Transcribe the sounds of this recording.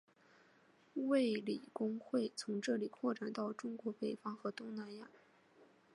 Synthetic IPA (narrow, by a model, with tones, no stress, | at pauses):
we˥˩ɪli˨˩kʊ˥ŋxwe˥˩ɪt͡sʰʊ˧˥ŋʈ͡ʂɤ˥˩li˨˩kʰwɔ˥˩ʈ͡ʂa˨˩nt̪ɑ˥˩ʊʈ͡ʂʊ˥ŋkwɔ˧˥pe˨˩ɪfɑ˥ŋxɤ˧˥t̪ʊ˥ŋna˧˥nja˥˩